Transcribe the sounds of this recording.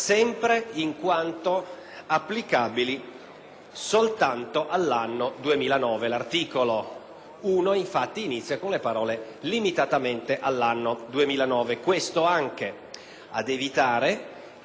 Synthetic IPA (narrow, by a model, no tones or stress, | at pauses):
sɛmpɾeiŋkwant̪oapːlikabili | solt̪ant̪oʔalːanːod̪uemiːlanɔːvelart̪iːkolo | uːnoiɱfat̪ːiːnit̪sːjakonlepaɾɔːle | limit̪at̪ament̪eʔalːanːod̪uemiːlanɔːvekwest̪oaŋk̟e | ad̪evit̪aːɾe